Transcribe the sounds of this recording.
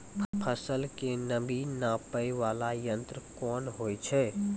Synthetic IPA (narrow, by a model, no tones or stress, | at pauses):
pʰpʰəsəlkenəbinãːpəjʋaːlajə̃nt̪ɾəkɔːnɦoːjt͡ʃʰɛː